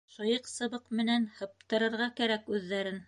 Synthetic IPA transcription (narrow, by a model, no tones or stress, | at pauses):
ʃŏjɤqsɤ̆βɤqmɘ̆nænhɤ̆p̚t̪ɤ̆ɾɤ̆ɾʁɑkæɾækʉðːæɾɘn